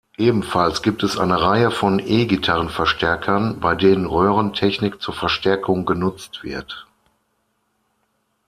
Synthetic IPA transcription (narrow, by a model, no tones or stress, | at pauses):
ʔeːbm̩falsɡ̥iːp̚tɛsʔa̰ɪnəʁaɪəfɔnʔeːɡitʰaʁənfɛɐʃtɛɐkʰɐnbaɪdeːnənʁøːʁəntʰɛçnɪkt͡suːɐfɛɐʃtʰɛɐkʰʊŋɡənʊt͡stv̥ɪ̰ɐt